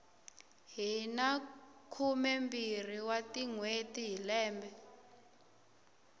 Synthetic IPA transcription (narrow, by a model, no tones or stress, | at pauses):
ɦinakʰumɛmbir̤iwatiŋwetiɦilɛːmbɛ